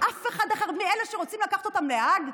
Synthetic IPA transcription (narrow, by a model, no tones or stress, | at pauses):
ʔafe̞χad̪aχaʁmieleʃeʁo̞t͡simlakaχt̪ot̪amlehaɡ